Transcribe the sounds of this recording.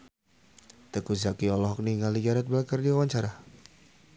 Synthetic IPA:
t̪əkuzakiɔlɔɦɔk̚niŋaliɡaɾat̪̚bakərdiwawaɲt͡ʃaɾa

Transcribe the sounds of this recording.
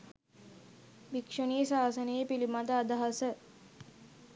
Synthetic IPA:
bikʂoniːsaːsənejːpilimad̪əad̪aɦasə

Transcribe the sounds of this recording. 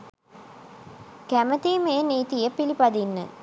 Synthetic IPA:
kæmət̪imeːniːt̪ijəpilipad̪inːə̰

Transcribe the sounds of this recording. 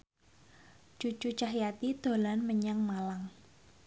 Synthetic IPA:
t͡ʃut͡ʃut͡ʃaɦjat̪id̪̥o̤lanməɲaŋmalaŋ

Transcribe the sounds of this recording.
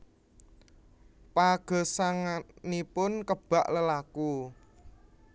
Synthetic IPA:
paɡ̥ɔ̤saŋanipʊnkəb̥a̤ʔləlaku

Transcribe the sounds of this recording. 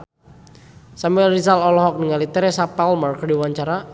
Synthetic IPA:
samuɛlrizalɔlɔɦɔk̚nəŋalit̪ɛɾɛsapalmarkdiwaɲt͡ʃaɾa

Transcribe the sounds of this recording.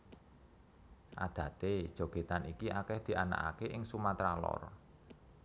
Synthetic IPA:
ʔad̪̥ä̤t̪e̥ʒ̥o̤ɡ̥e̤t̪anikiʔakɛhd̪̥i̤ʔana̰ka̰keʔɪŋsumat̪ɾalɔ̰r

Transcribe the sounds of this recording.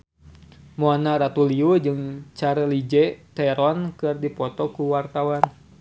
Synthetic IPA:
mɔanaɾat̪uliud͡ʒɨŋt͡ʃaɾəlid͡ʒɛt̪ɛɾɔnkɨrdipɔt̪ɔkuwart̪awan

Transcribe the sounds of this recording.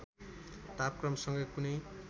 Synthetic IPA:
t̪ap̚krʌmsʌŋɡʌjkunʌj

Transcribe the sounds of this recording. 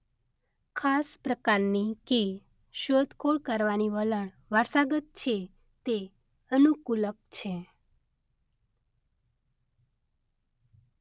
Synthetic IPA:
kʰaspɾəkaɾnike | ʃod̪kʰoɭkəɾʋaniʋələɳ̃ | ʋaɾsaɡət̪̚t͡ʃʰe | t̪e | ənukulək̚t͡ʃʰe

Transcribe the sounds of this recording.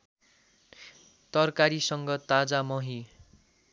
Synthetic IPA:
t̪ʌrkaɾisʌŋɡʌt̪ad͡zamʌɦi

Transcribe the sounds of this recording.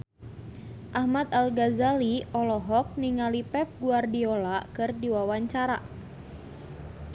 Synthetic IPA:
ʔahmat̪alɡazaliɔlɔɦɔk̚niŋalipɛp̚ɡuardiolakɨrdiwawaɲt͡ʃaɾa

